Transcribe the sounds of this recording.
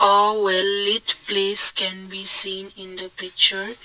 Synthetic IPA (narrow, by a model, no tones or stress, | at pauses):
ɔwɛlːitpleskɛ̃nbisĩːnĩnd̪əpɪk̚t͡ʃəɹ